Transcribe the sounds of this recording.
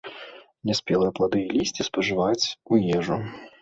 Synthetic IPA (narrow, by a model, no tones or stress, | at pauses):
nʲɛsʲpʲɛlˠɐjɐplˠad̪ɨjɛlʲisʲt͡sʲispɐʐɨvat͡sʲujɛʐu